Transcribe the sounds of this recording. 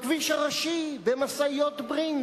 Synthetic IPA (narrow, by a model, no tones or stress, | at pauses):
kviʃaʁaʃibemasaijot̪bʁin